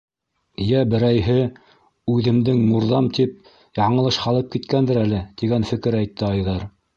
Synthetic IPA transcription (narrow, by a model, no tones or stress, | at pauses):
jæbɘ̆ɾæjɦɘ | ʉðɘ̆md̪ɘŋmuɾðɑmt̪ip̚ | jɑɴɤ̆lˠɤʃhɑlˠɤp̚kit̪kænd̪ɘɾælɘt̪iɡænfɘ̆kɘɾæjt̪ːɘɑjðɑɾ